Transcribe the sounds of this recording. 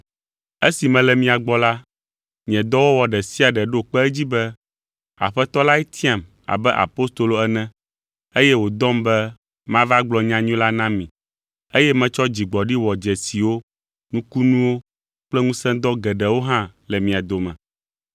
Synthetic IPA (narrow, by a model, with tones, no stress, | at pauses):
e˦si˨mɛ̃˨lɛ˨mĩ˨a˨ɡ͡bɔ˨la˦ | ɲĩ˨ɛ̃˨d̪ɔ˦wo˦wɔ˨ɖɛ˨si˦a˨ɖɛ˨ɖo˦k͡pɛ˦ɛ˦d͡ʑi˦bɛ˦ | a̰˨ɸɛ˦t̪ɔ˦la˦ɛ˦t̪ʰi˦ã˨m | a̰˨bɛ˦ʔa̰˨po˦st̪o˨lo˨ɛ˦nɛ̃˦ | e˦jɛ˦wo˨d̪ɔ̃˦mbɛ˦ | mã˦va˦ɡ͡blɔ˨ɲã˨ɲũ˦la˦nã˦mĩ˨ | e˦jɛ˦mɛ̃˨t͡ʃɔ˦d͡ʑi˨ɡ͡bɔ˨ɖi˦wɔ˨d͡ʒɛ˨si˨wo˦ | nũ˦ku˦nũ˦wo˦ | k͡plɛ˦ŋũ˦sɛ̃˦d̪ɔ˦ɡɛ˨ɖɛ˨wo˦ɦã˦lɛ˨mĩ˨a˨d̪o˨mɛ̃˨